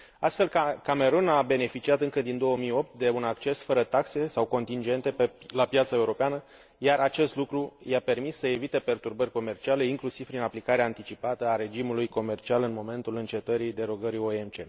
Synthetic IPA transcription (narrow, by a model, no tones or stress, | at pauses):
ast̪fe̞lkame̞ɾunabe̞ne̞fit͡ʃiat̪ɨŋkəd̪ind̪o̞wəmijo̞p̚t̪̚d̪e̞unak̚t͡ʃe̞sfəɾət̪akse̞sawko̞nt̪ind͡ʒe̞nt̪e̞pelapjat̪saeuɾo̞peanə | jaɾat͡ʃe̞st̪lukɾujape̞rmisːəe̞vit̪e̞pe̞rt̪urbərʲko̞me̞rt͡ʃiale̞iŋklusiv̥pɾinaplikaɾeaːnt̪it͡ʃipat̪əaɾe̞d͡ʒimulujko̞me̞rt͡ʃialɨnmo̞me̞nt̪ulɨnt͡ʃe̞t̪əɾid̪e̞ɾo̞ɡəɾioemt͡ʃe̞̰